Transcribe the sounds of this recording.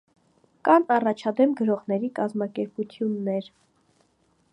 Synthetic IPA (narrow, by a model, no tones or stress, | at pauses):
kɑnɑrɑt͡ʃʰɑd̪ɛmɡəɾɔʁnɛɾikɑzmɑkɛɾput̪ʰjunːɛɾ